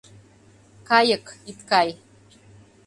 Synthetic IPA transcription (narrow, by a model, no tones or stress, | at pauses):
kajəkit̪kaj